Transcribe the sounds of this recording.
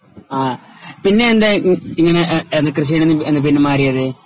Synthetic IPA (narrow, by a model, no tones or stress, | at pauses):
aːpinːe̞ːnd̪eiŋːɐneenːɨkrɨɕ̬ijɳenːɨenːɨp̬inːɨmaːɾijɐðɨ